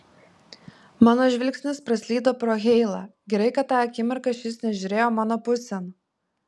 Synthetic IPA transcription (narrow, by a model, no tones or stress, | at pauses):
mɑːnoːʒʲʋʲɪlʲksʲnʲɪspɾɐsʲlʲiːd̪oːpɾoːɣʲɛɪlˠɑːɡʲɛɾɐɪkɐt̪ːɑːɐkʲɪmʲɪɾkɐʃʲjɪsnʲɛʒʲʊɾʲeːjoːmɑːnoːpʊsʲɛn